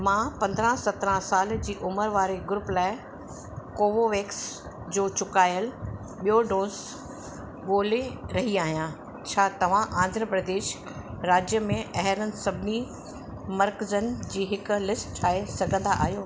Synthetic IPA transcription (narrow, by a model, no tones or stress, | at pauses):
mãːpɐ̃nd̪ɾãsɐt̪ɾãsaːld͡ʑiːʔʊməɾʋaːɾeɡʊɾʊplaːɪ | koːʋoʋeːks | d͡ʑoːt͡ɕʊkaːjəl | ɓijoɖõːz | ɠoːleɾɐɦiaːɦijã | t͡ɕʰaːt̪ɐʋ̤ãʔãːnd̪ʱɾəpɾəd̪eːʃ | ɾaːd͡ʑjəmẽʔɐɦɾənɪ̆sɐbʱɪni | mɐɾkzənɪd͡ʑiːɦɪk̆lɪsʈʈʰaːesɐɡʱə̃nd̪aʔa̰ːɦijoː